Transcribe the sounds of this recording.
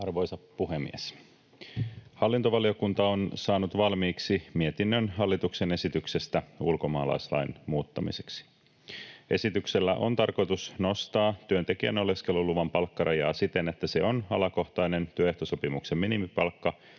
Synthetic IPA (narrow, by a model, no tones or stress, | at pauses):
ɑrʋo̞jsɑpːuɦemːḭes | hɑlːint̪oʋɑlio̞kunt̪ɑo̞nsɑːnut̪ʋɑlmiːksimie̞t̪inːønɦɑlːit̪ukse̞ne̞sit̪ykse̞st̪æulko̞mɑːlɑ̰jslɑ̰jnmuːt̪ːɑmḭseksi̥ | e̞sit̪ykselːæ̰ʔo̰nt̪ɑrko̞jt̪usno̞st̪ɑːt̪yønt̪e̞kiæ̰no̞leske̞lːuluʋɑmpɑlkːɑɾɑjɑːsit̪e̞net̪ːæse̞onɑlɑko̞ht̪ɑjne̞nt̪yøeht̪oso̞pimukse̞mminimipɑlkːɑ